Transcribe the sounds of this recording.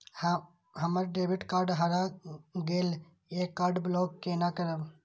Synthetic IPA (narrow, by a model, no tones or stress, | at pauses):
ɦəməɾɖeːbɪʈkaːɾɖɦaɾaɡeːl | ekːaːɾɖbloːkːeːnakəɾəb